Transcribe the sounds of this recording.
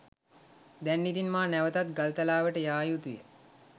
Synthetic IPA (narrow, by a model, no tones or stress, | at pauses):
d̪ɛnːid̪inmaːnæʋət̪at̪ɡalt̪alaːʋəʈəjaːjut̪ujə